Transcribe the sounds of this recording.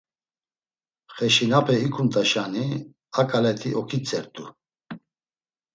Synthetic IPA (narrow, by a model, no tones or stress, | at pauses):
χɛʃinapʰɛikʰunt̪ʼaʃani | akʼalɛt̪ʰiʔɔkʰit͡sʰʼɛɾt̪ʼu